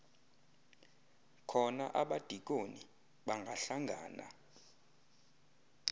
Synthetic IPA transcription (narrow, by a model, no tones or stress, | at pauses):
kʰɔna̰ʔaɓad̥ʱik̬oni | ɓaŋɡʱaɬaŋʱa̰ːna̰